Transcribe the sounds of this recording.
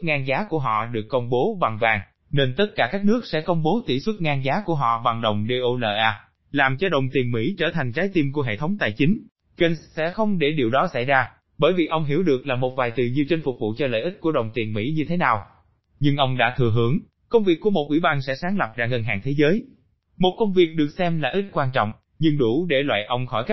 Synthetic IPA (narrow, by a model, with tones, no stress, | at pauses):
t̚ŋaː˧nzaː˨˦ku˧˩əɦɔ̰˧˨ɗɨ˨˩əkːə˧wŋ͡mɓo˨˦ɓa˨˩ŋvaː˨˩ŋ | ne˧nt̪ə˦˥t̚kaː˧˩kaː˦˥k̚nɨ˦˥ək̚sɛ̰˧˥kə˧wŋ͡mɓo˨˦t̪ḭ˧˩swə˦˥t̚ŋaː˧nzaː˨˦ku˧˩əɦɔ̰˧˨va˨˩ŋɗə˨˩wŋ͡mɗe˧ʔo˧ləː˧˩ʔaː˧ | laː˨˩mt͡ɕɔ˧ɗə˨˩wŋ͡mt̪i˨˩ənmḭ˧˥t͡ɕəː˧˩t̪ʰa˨˩jŋ̟t͡ɕaː˨˦jt̪i˧mku˧˩əɦḛ˧˨t̪ʰə˨˦wŋ͡mt̪a̰ː˧˨jt͡ɕï˨˦ŋ̟ | kə˧˩nsɛ̰˧˥xə˧wŋ͡mɗe˧˩ɗi˨˩əwɗɔ˨˦sa̰˧˥˩jzaː˧ | ɓəː˧˩jvi˨˩ʔə˧wŋ͡mɦi˧˩əwɗɨ˨˩ək̚laː˨˩mo˨˩t̚vaː˨˩jt̪ɨ˨˩ɲi˨˩əwt͡ɕə˧n̟fʊ˨˩vṵ˧˨t͡ɕɔ˧lə̰ː˧˨jʔi˦˥t̚ku˧˩əɗə˨˩wŋ͡mt̪i˨˩ənmḭ˧˥ɲɨ˧t̪ʰe˨˦naː˨˩w | ɲɨ˧ŋʔə˧wŋ͡mɗa̰ː˧˥t̪ʰɨ˧˩əɦɨ˨˦əŋ | kə˧wŋ͡mvi˨˩əkːu˧˩mo˨˩t̚ʔwḭ˧˩ɓaː˧nsɛ̰˧˥saː˨˦ŋlə˨˩p̚zaː˧ɣə˨˩nɦaː˨˩ŋt̪ʰe˨˦zəː˨˦j | mo˨˩t̚kə˧wŋ͡mvi˨˩ək̚ɗɨ˨˩ək̚sɛ˧mlaː˨˩ʔi˦˥t̚kwaː˧nt͡ɕɔ̰˧˨wŋ͡m | ɲɨ˧ŋɗu˧˩ɗe˧˩lwa̰ː˧˨jʔə˧wŋ͡mxɔ̰˧˩jka˦˥